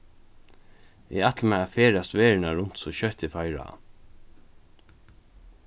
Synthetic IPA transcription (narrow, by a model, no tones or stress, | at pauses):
ɪ̰at̪ləmɛafeːɾast̪ʋeːɹɪnaɹʊn̥t̪sɔɕœht̪ɪfajɾa̰